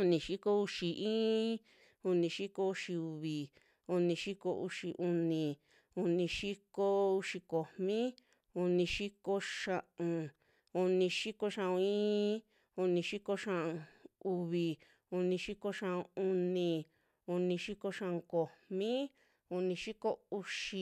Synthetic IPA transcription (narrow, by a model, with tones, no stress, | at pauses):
u˧nĩ˨˧ʃi˦ko˦u˧ʃi˨˧ʔĩː˦ | u˧nĩ˧ʃi˦ko˧u˧ʃi˧u˧βi˨ | u˧nĩ˧ʃi˦ko˧ʔṵ˧ʃi˧ʔu˧nĩ˨ | u˧nĩ˧ʃi˦ko˧u˧ʃi˧ko˨mmĩ˦ | u˧nĩ˧ʃi˦ko˧ʂã˧ʔũ˧ | u˧nĩ˧ʃi˦ko˧ʃã˧ũ˧ĩː˦ | u˧nĩ˧ʃi˦ko˧ʃã˧ʔu˧βi˨ | u˧nĩ˧ʃi˦ko˧ʃã˧˨ʔu˧nĩ˧ | u˧nĩ˧ʃi˦ko˧ʃã˧ko˨mmĩ˦ | u˧nĩ˧ʃi˦ko˦u˧ʃi˧